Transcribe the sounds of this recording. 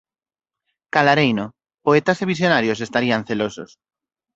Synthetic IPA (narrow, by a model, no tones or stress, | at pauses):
kalaɾejno | poet̪aseβisjonaɾjosest̪aɾianθelosos